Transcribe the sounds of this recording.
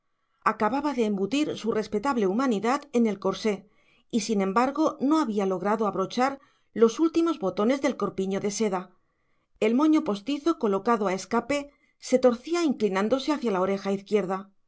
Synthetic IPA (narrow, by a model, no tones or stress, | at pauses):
akaβaβaðe̞ːmbut̪iɾsure̞spe̞t̪aβle̞umaniðaðe̞ne̞lko̞ɾse̞ | isinẽ̞mbaɾɣo̞no̞aβialo̞ɣ̞ɾaðo̞aβɾo̞t͡ʃaɾ | lo̞sult̪imo̞zβo̞t̪o̞ne̞zðe̞lko̞ɾpiɲo̞ðe̞se̞ða | e̞lmo̞ɲo̞po̞st̪iθo̞ko̞lo̞kaðo̞ae̞skape̞ | se̞t̪o̞ɾθiaiŋklinãnd̪o̞seaθjalaoɾe̞xaiθkje̞ɾða